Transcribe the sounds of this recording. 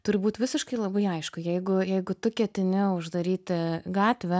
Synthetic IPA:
t̪ʊɾʲɪbuːt̪ʲʋʲɪsʲɪʃkɐɪlˠɐbɐɪɐɪʃkʊjɛɪɡʊjɛɪɡʊt̪ʊkʲɛt̪ʲɪnʲɪʊʒd̪ɐɾʲiːt̪ʲɪɡɑːt̪ʲʋʲɛ

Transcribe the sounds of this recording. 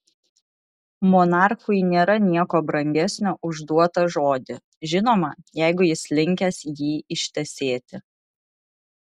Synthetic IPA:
mɔnɑˑɾxʊjnʲeːɾɐnʲiɛkoːbɾɐŋʲɡʲɛsʲnʲoːʔʊʒd̪uɔt̪ɐʒoːd̪ʲɪ | ʒʲɪnoːmɐjɛɪɡʊjɪslʲɪŋʲkʲɛsjiːɪʃʲt̪ʲɛsʲeːt̪ʲɪ

